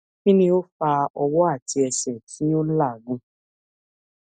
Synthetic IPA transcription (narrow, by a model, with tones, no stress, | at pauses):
kĩ˦nĩ˧o˦fa˧ɔ˧wɔ˦a˦˨ti˧ɛ˧sɛ˨tʰi˨˦o˦n̩˦la˦˨ɡũ˦